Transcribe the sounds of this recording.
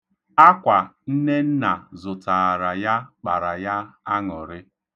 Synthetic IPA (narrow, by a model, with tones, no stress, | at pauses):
a˦kʷa˨n̩˦ne˦n̩˦na˨zʊ˨ta˨ɾa˨ja˦k͡pa˨ɾa˨ja˦a˦ŋɔ˨ɾɪ˦